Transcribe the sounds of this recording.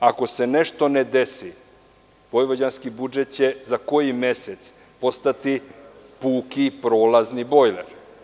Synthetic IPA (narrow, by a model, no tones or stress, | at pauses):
ako̞se̞ne̞ʃt̪o̞ned̪esi | ʋo̞jʋod͡ʑanskibud͡ʒet̪̚t͡ɕe̞zako̞jime̞set̪s | po̞st̪at̪ipuːkipɾo̞ːlaznibo̞jleɾ